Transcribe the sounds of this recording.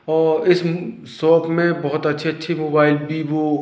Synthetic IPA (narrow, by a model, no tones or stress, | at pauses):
ɔːɾɪs | sɔːpmẽbɔɦʊt̪ɐtːʃʰeɐtːʃʰemoːbaːɪlbʱiʋo